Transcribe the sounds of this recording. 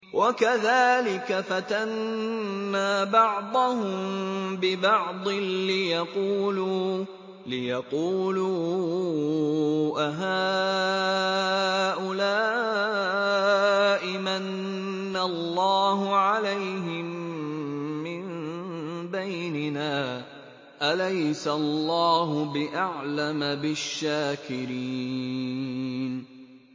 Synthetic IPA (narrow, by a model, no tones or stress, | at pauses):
wʔakaðaːlɪkafat̪anː | aːbɑʕd̪ˤɑhʊmmbɪbɑʕd̪ˤɨlɪjɑquːluː | lɪjɑquːluː | ʔaɦaː | ʔʊlaː | ʔɪmanː | alˤːɑːɦʊʕalajɦɪmː | ɪm | bajnɪnaː | ʔalajsaɑlˤːɑːɦʊbɪʔaʕlamabɪʃːaːkɪɾiː | n